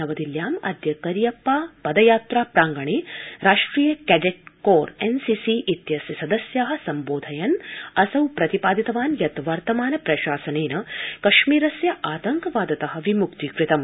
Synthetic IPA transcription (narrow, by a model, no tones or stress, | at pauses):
ɐʋɐd̪iljaːmɐ̰d̪jɐkɐɾjɐpːaːpɐd̪ɐjaːt̪ɾaːpɾaːŋɡɐɳeːɾaːʂʈɾiːjɐkɛɖeʈ̚koːɾensisiʔit̪jɐsjɐsɐd̪ɐsjaɦɐ̆sɐmboːd̪ʱɐjɐnɐsɐwpɾɐt̪ipaːd̪it̪ɐʋaːnjɐt̪ʋɐɾt̪ɐmaːnɐpɾɐʃaːsɐneːnɐkɐʃmiːɾɐsjɐʔaːt̪ɐŋkɐʋaːd̪ɐt̪ɐɦɐ̆ʋimukt̪ikɾɪt̪ɐm